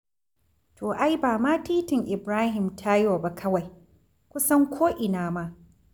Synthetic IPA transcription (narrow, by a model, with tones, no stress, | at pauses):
tʰoː˨ʔa˦jbaː˨maː˦tiː˦tɪ˨ŋʔɪ˨bɾaː˦ɦɪ˨mtʰa˦jo˨ba˦kʰɐ˦wa˨j | kʷʊ˦sɐ˦ŋkʷʰoː˦ʔɪ˨naː˦ma˦